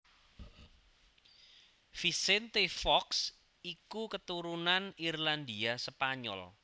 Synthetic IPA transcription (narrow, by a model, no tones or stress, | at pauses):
fisɛnt̪efɔks | ikukət̪uɾunanirland̪iasəpaɲɔ̰l